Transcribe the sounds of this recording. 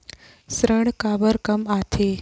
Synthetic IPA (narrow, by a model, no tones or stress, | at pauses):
sɾəɳ̃kabəɾkəmat̪ʰe